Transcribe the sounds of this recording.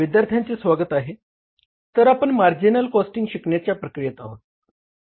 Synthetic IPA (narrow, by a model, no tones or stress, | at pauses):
ʋid̪jaɾt̪ʰjant͡sesʋaɡət̪aɦe | t̪əɾapəɳmaɾd͡ʑinəlkɔsʈiŋɡɕikɳjat͡ɕjapɾəkɾijət̪aɦot̪̚